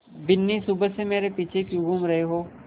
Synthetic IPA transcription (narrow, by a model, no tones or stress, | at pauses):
bɪnːisʊbəsemeːɾepiːt͡ʃʰekjũɡʱuːmɾɐɦeɦoː